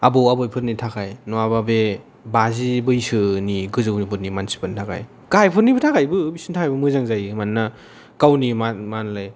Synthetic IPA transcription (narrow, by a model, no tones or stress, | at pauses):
abɯwabɯjpʰɯɾnitʰakʰajnɔababe | bazibɯjsɯniɡɯzɯwnipʰɯɾnimansi̥pʰɯntʰakʰa̰j | kajpʰɯɾnibɯtʰakajbɯbisintʰakajbɯmɯzaŋzajmanːa | kawnimamanlɯj